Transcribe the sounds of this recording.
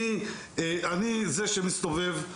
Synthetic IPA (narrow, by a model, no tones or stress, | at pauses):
i | eʔanizeʃemist̪o̞ve̞v